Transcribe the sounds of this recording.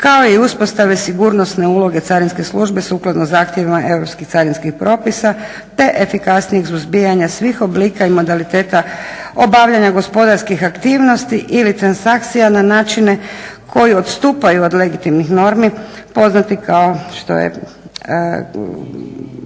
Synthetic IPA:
kao̞iuspo̞st̪aʋesiɡuɾnosne̞uːlo̞ɡe̞t̪saɾinske̞sluʒbe̞suklˠad̪nozaːxt̪je̞ʋimaʔe̞wɾo̞pskixt̪saɾinskixpɾo̞ːpisa | t̪e̞ʔefikasnijeɡsuzbijaɲasʋixo̞bliːkaimo̞d̪alit̪e̞ːt̪ao̞baʋʎaɲaɡo̞spo̞d̪aɾskixakt̪iːʋno̞st̪iʔilit̪ɾansak̚t̪sijananaːt͡ʃine̞kʰo̞jio̞t̪st̪uːpajuod̪le̞ɡit̪imnixno̞ɾmipo̞znat̪ikʰao̞ʃt̪o̰jḛ

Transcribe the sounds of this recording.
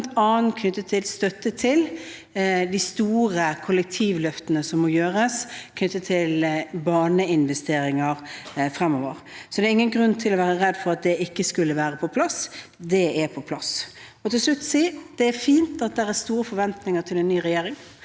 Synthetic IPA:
nt̪ɑːnn̩kʰnʏt̪ːət̪ʰɪlst̪œt̪ːət̪ʰɪl | d̪ist̪uːɾəkʰʊlɛk̚t̪ʰiːʋlœft̪ənəsɔmːɔjøːɾəskʰnʏt̪ːət̪ʰɪlbɑːɳəɪnʋɛst̪eːɾɪŋəɾfɾɛmːɔːʋəɾsɔd̪ɛːɾɪŋːənɡɾʉnt̪ʰɪlɔʋæːɾəɾɛd̪ːfɔɾɑt̪̚d̪ɛʔɪkːəskʉlːəʋæːɾəpʰɔpʰlɑsd̪ɛɛpʰɔpʰlɑs | ɔt̪ʰɪlslʉt̪ːsiːd̪̥ɛæɾfiːnt̪ɑt̪̚d̪ɛɾæst̪uːɾəfɔɾʋɛnt̪nɪŋət̪ʰɪlɛnːyːɾɛjeːɾɪŋ

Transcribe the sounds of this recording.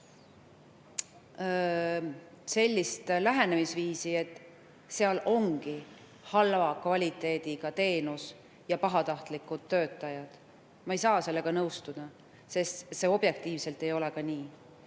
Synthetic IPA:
se̞lʲːist̪læɦe̞nemisviːsie̞t̪ːˑ | se̞ɑlo̞ŋɡ̥i | hɑlvɑkvɑlʲit̪ˑːe̞ːd̪̥iɡ̥ɑt̪e̞ːnus | jɑpɑɦɑt̪ɑht̪likːˑud̪̥ːø̞ːt̪ːˑɑjɑd̪̥ | mɑejsɑːse̞lːe̞ɡɑnɤwst̪ud̪̥ɑ | se̞st̪se̞o̞b̥je̞k̚t̪iːvse̞lt̪ːˑe̞jo̞le̞kɑniː

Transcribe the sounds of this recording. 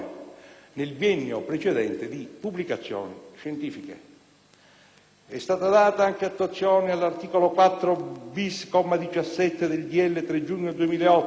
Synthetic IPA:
nelvjɛnːopɾet͡ʃed̪ɛnt̪ed̪ipubːlikat̪sːjɔ̰ːniʃent̪iːfikḛ | ɛst̪aːt̪ad̪aːt̪aaŋkeat̪ːwat̪sːjɔːnialːart̪iːkolokwat̪ːɾobiskɔmad̪it͡ʃasːɛt̪ːed̪elɡ̪iɛlːet̪ɾed͡ʒuɲːod̪uemiːlaeɔt̪ː

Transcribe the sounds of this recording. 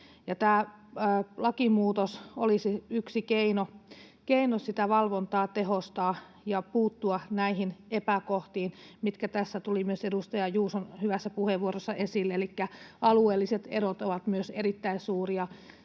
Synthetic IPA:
jɑt̪æː | əlɑkimuːt̪osolisiyksikeino | keinossit̪æʋɑlʋont̪ɑːt̪eɦost̪ɑː | jɑpuːt̪ːuɑnæihinepækoht̪iːnmit̪kæt̪æsːæt̪ulimyøsedust̪ɑjɑjuːsonhyʋæsːæpuheʋʋuorosːɑʔesilːeelikːæɑlueːlːiset̪ḛɾot̪oʋɑt̪myøseɾit̪ːæinsuːriɑ

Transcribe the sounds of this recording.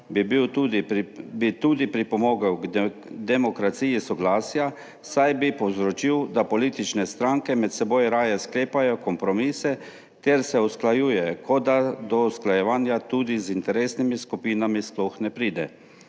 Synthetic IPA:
bibiw | bit̪uːd̪ipɾipɔmoːɡawɡd̪ɛmɔkɾat̪siːjisɔɡlaːsja | sajbipɔwzɾɔt͡ʃiwd̪apɔliːt̪it͡ʃnɛst̪ɾaŋkɛmɛt̪sɛboːjɾaːjɛskleːpajɔkɔmpɾɔmiːsɛ | t̪ɛɾsɛusklajuːjɛkɔd̪ad̪ɔusklajɛʋaːnjat̪uːd̪izint̪ɛɾeːsnimiskupiːnamisplɔxnɛpɾiːd̪ɛ̰

